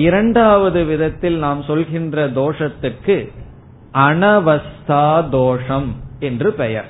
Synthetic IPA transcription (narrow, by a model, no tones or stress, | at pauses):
ɪɾɐɳɖaːʋɐðɯʋɪðɐt̪ːɪlnaːmsɔlɣɪndrɐd̪oːʂɐt̪ːɯrkːɯ | ʔɐɳɐʋɐst̪ʰaːd̪oːʂɐmɛndrɯpɛjɐɾ